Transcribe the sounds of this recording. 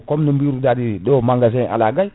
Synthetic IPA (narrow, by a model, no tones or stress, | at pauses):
komnumbiɾudadidomaŋɡas̬eʔa̰laɡaj